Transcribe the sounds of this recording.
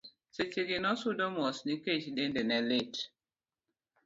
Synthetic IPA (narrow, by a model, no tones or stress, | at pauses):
set͡ʃeɡɪnɔsudɔmɔsniket͡ʃdendenɛlet